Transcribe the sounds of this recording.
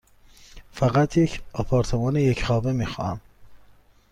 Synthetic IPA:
fæɣæt̪ʰjecʰɒpʰɒːɾt̪ʰemɒːnejecχɒːbemiːxɒ̰ːæ̰m

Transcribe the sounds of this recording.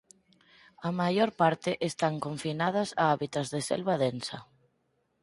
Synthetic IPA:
amajoɾpaɾt̪ɪʔest̪aŋkoɱfinað̞ɐsaaβit̪azðesḛlβaðensɐ

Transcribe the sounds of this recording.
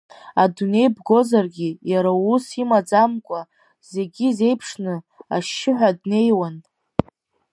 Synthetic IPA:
adune̞jbɡo̞zarɡʲijaɾausimad͡zamkʷʼa | ze̞ɡʲize̞jpʰʂnɨ | aʃːɪħʷᶣadne̞jwan

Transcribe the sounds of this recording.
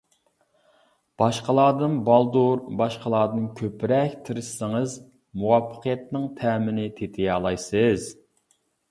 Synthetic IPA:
b̥ɑʃqəlˠɑːd̪ɨnbɑlˠd̪uɾbɑʃqəlˠɑːd̪ɨnkʲʰøpɾɛkʲt̪ʰɪɾɪʃsɨŋəz | muwɑpʰːə̥qʰijɛt̪nɪŋt̪ʰɛːmɪnɪt̪ʰet̪ʰɪjɑːlˠɑjsɨz̥

